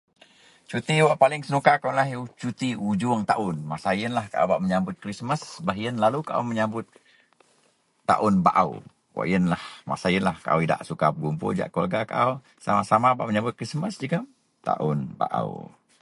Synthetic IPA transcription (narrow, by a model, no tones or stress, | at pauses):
t͡ʃut̪iwaʔpalɪŋsənukakunlaɦt͡ʃut̪iud͡ʒʊŋt̪aʔʊnmasajənlahkaʔa̰wbaʔməɲambʊt̪̚kɾisməsbaɦiənlalukaʔa̰wməɲambʊt̪̚ | a̰ʔʊnbaʔaw | wa̰ʔjənlahma̰sajənlahkaʔa̰wida̰ʔsukapəɡumpʊ̰d͡ʒa̰ʔkua̰lɡaka̰ʔaw | sa̰masamabaʔməɲambʊt̪̚kɾisməsd͡ʒiɡa | t̪a̰ʔʊ̰nba̰ʔa̰w